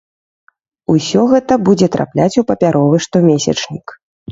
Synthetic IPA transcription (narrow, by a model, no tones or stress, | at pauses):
usʲɔɣɛt̪ɐbud͡zʲɛt̪ɾʔa̰plʲat͡sʲupɐpʲaɾʔɔvɨʂt̪ɔmʲesʲɐ̰t͡ʂnʲik